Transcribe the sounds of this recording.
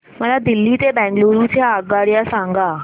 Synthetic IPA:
m̤əlad̪ɪlːit̪ebɛ̃ːŋɡloɾutʰaːɡaɽjasãŋɡaː

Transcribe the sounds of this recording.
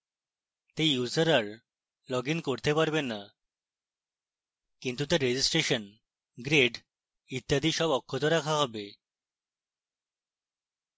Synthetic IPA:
t̪ẽjud͡zəɾaɾ | lɔɡinkoɾt̪epaɾbenːa | kint̪ut̪eɾːed͡ʑisʈɾeɕən | ɡɾeɖ | it̪ːjad̪ʱiɕɔbɔkʰːɔt̪ɔɾakʰaɦɔbe

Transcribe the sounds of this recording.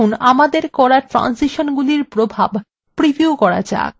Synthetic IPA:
unamad̪eɾkɔɽaʈɾa̰nsiʃonɡuliɾpɾobʱab | pɾibiukɔɾa̰d͡ʑa̰

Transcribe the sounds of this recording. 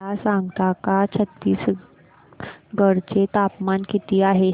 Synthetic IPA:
asãŋɡt̪akat͡ɕʰət̪ːiːs | ɡəɽt͡ɕet̪apmankit̪iːaɦe

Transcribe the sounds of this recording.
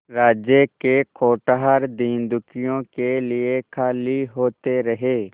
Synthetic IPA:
ɾaːd͡ʒjəkekʰoːʈaɦaɾd̪ĩːnd̪ʊkijõkeliekʰaːliɦoːt̪eɾɐɦeː

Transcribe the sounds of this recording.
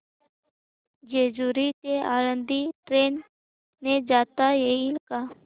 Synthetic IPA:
d͡ʒeːd͡ʒuɾit̪eʔaːɾə̃nd̪iʈɾeːn | ned͡ʒaːt̪ajeilkaː

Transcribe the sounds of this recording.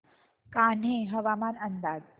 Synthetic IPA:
kan̤ɦẽɦəʋamanənd̪aːɡ

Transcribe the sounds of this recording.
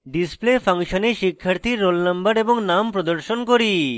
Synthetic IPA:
ɖisplepʰaŋʃoneʃikʰːaɾt̪ʰiɾːolnambəɾeboŋnampɾod̪oɾʃonkoɾi

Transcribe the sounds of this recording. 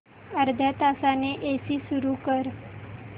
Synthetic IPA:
əɾd̪ʱjat̪asaneʔesiːsuɾukəɾ

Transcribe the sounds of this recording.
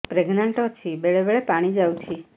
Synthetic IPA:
pɾeɡnaɳʈɔt͡ʃʰibeɭebeɭepaɽ̃id͡ʒawt͡ʃʰi

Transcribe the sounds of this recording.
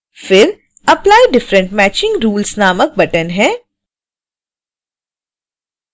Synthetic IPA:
fɪɾ | ɐplaːjɖɪfɾə̃ɳʈmɛːt͡ʃɪ̃ŋɡɾuːlsnaːmək̚bɐʈənɦɛ̃ː

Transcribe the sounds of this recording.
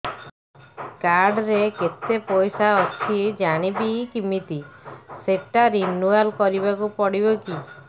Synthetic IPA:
kaɾɖɾeket̪epɔjsaɔt͡ʃʰid͡ʒaɽ̃ibikimit̪iseʈaɾinualkɔɾibakupɔɽibɔki

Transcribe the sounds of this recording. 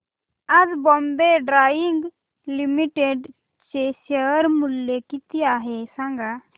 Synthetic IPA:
ɐdbɔmbeɖɾaːiŋɡ | limiʈeɖ | t͡ʃesəɾmuljekit̪iaɦesãŋɡa

